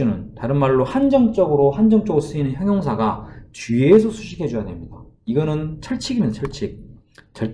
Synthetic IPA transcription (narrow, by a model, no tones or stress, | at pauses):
unɯntaɾɯnmaɭːohand͡ʑʌŋt͡ɕ͈ʌɡɯɾohand͡ʑʌŋt͡ɕ͈ʌɡɯɾos͈ɯinɯnçjʌŋjʌŋsʰaɡat͡ɕies̬ʰʌsʰuɕʰi̥kʰe̞d͡ʑujadwe̞mɲida | iɡʌnɯnt͡ɕʰʌɭt͡ɕʰiɡiment͡ɕʰʌɭt͡ɕʰik̚ | t͡ɕʰʌ